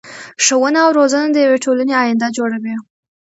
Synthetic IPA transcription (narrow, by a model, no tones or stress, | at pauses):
ʂəwənaːwɾozənad̪əjaweʈolaneɑjɪnd̪ad͡ʒoɽawi